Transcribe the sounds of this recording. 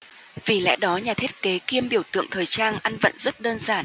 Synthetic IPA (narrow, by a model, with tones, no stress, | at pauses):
vi˨˩lɛ̰˧˥ɗɔ˨˦ɲaː˨˩t̪ʰi˦˥t̚ke˨˦ki˧əmɓi˧˩əwt̪ɨ̰˧˨əŋt̪ʰəː˨˩jt͡ɕaː˧nʔa˧nvə̰˧˨nzə˦˥t̚ɗəː˧nzaː˧˩n